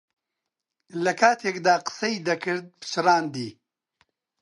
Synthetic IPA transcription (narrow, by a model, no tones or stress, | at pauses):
lɐkʰaːt̪ʰeːkd̪aːqɨ̥sɐid̪ɐkʰɨɾd̪̚pɨ̥t͡ʃɨɾaːnd̪iː